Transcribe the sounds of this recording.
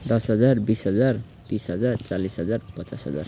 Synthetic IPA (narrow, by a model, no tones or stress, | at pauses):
d̪ʌsɦʌd͡zarbisɦʌd͡zar | t̪ĩsɦʌd͡zart͡salisɦʌd͡zarpʌt͡sasɦʌ̰d͡za̰r